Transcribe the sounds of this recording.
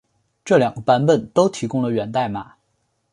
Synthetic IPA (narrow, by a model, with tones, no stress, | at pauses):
ʈ͡ʂɤ˥˩ljɑ˨˩ŋɡə˧˩pa˧˥npə˨˩nt̪o˥ʊt̪ʰi˧˥kʊ˥ŋlə˨ɥɛ˨˩nt̪a˥˩ɪma̰˨˩˦